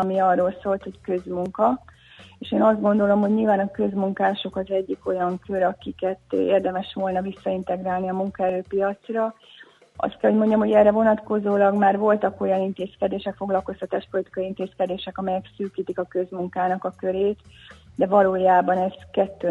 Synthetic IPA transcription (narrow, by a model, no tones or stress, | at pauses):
ɒmiɒrːoːlsoːlt̪ho̞ckø̞zmuŋkɒ | eːʃeːnɒzd̪ɡo̞nd̪o̞lo̞mɦo̞ɟɲilvaːnɒkø̞zmuŋkaːʃo̞kɒzɛɟːiko̞jɒŋkʰø̞ɾɒkikɛt̪ḛːrd̪ɛmɛʃʋo̞lnɒvisːɒint̪ɛɡraːlniɒmuŋkɒɛɾøːpijɒt̪srɒ | ɒ̰st̪̚kɛlho̞ɟmo̞ɲɟɒmɦo̞ɟɛːrɛvo̞nɒt̪ko̞zoːlɒɡmaːrvo̞lt̪ɒko̞jɒnint̪eːskɛd̪eːʃɛkfo̞ɡlɒlko̞st̪ɒt̪aːʃpolit̪i̥kɒiint̪eːskɛd̪eːʃɛkɒmɛjɛksyːkiːt̪ikɒkø̞zmuŋkaːnɒkɒkø̞ɾeːt̪d̪ɛvɒloːjaːbɒnɛzkɛt̪ːøː